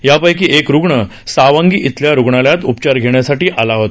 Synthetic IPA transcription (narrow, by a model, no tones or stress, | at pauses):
japəjk̬iːʔekɾuɡɳə | saʋãŋɡiːʔit̪ljaɾuɡɳaljat̪upt͡ɕaɾɡʱeɳjasaʈiːʔalaɦot̪